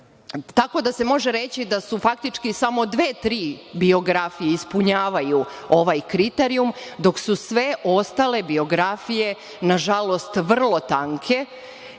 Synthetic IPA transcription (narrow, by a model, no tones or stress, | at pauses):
t̪ako̞d̪ase̞mo̞ʒe̞ɾe̞t͡ɕid̪asufak̚t̪it͡ʃkisamo̞d̪ʋe̞ːt̪ɾiːbio̞ɡɾafije̞ispuɲaːʋajuo̞ʋajkɾit̪eɾiumd̪o̞ksusʋe̞ʔo̞st̪ale̞bio̞ɡɾafije̞ | naʒalˠo̞st̪ʋr̩lˠo̞t̪aŋkʰe̞